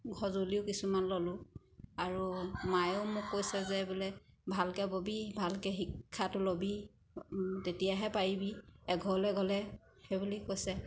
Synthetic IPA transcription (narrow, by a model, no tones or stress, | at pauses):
ɡʱɔzoliʊkisumanlɔlʊ̃ | aɹumajomʊkːojsɛzɛbɔlɛbʱalkɛbobibʱalkɛxikʰːatʊlobi | tetijaɦɛpaɹibiɛɡʱɔlɛɡɔlɛ | xebulikojsɛ